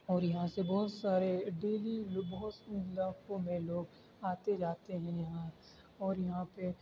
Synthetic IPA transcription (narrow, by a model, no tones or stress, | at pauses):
ɔːɾjɐɦãsebɔːt̪saːɾeɖeːlibɔɦʊt̪ɪlaːkõmẽloːɡ̚ | aːt̪ed͡ʒaːt̪eɦɛ̃jɐɦã | ɔːɾjɐɦãpe